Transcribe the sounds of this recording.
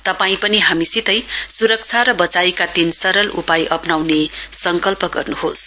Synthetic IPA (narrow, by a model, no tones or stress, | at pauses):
t̪ʌpaĩpʌniɦamisit̪ʌjsuɾʌk̚t͡sʰaɾʌbʌt͡sajkad̪insʌɾʌlṵpajʔʌpnawnesʌŋkʌlpʌɡʌ̰rnuɦos